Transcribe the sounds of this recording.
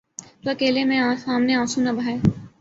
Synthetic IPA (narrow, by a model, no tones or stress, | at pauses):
t̪uɐkeːlemẽãːsaːmneãːsunɐbʱaːe